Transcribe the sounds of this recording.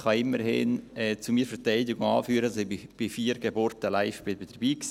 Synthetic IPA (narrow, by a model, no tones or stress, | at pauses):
χɑɪmːəɾhɪnɛːt͡sumiːəfəɾtaɪdɪɡʊŋɑːfyːɾəsɪbɪb̥ɪfiːəɾɡeboɾtəlaɪfb̥ɪbɪd̥əb̥iːks